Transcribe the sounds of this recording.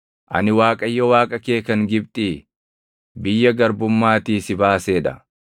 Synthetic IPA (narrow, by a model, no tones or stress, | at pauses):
ʔɐ̰nɪwaːkʼɐjːɔwaːkʼɐke̞ːkɐŋɡɪb̚t̪ʼiː | bɪjːɐɡɐɾbʊmːaːt̪iːsɪbaːseːᶑɐ̰